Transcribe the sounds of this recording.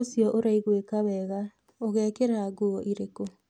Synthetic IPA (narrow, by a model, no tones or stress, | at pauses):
osjɔʔoɾaiɣwekaβɛːɣa | oɣɛːkeɾaːɣuɔʔiɾeko